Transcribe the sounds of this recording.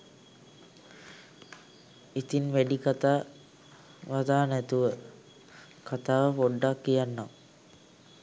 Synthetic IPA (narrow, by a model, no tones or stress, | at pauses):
it̪inʋæɖikat̪aː | ʋad̪aːnæt̪uʋə | kat̪aːʋəpoɖːakːijanːam